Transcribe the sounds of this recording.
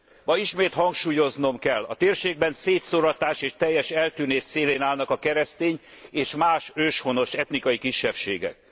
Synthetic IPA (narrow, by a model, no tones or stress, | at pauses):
mɒiʃmeːt̪hɒŋkʃuːjo̞zno̞mkɛlːɒ̰t̪eːrʃeːɡ̚bɛnseːt̪soɾɒt̪aːʃeːʃt̪ɛjːɛʃɛlt̪yːneːsːeːleːnaːlnɒkɒkɛɾɛst̪eːɲeːʃmaːʃøːʃho̞no̞ʃɛt̪nikɒjikiʃːɛfʃḛːɡɛ̰k̚